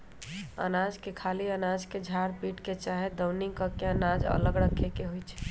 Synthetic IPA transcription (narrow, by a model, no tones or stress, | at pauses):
ə̰nad͡ʒkekʰaliənad͡ʒked͡ʒʱaɾpiʈket͡ʃaɦed̪əwniŋkəkeənad͡ʒə̰ləɡɾəkʰːekeɦojt͡ʃʰɛ̥